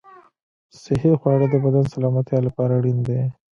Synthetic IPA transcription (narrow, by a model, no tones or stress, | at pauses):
sɪɦixwɑɽəd̪əbad̪ansalɑmat̪jalapɑɾaɽind̪e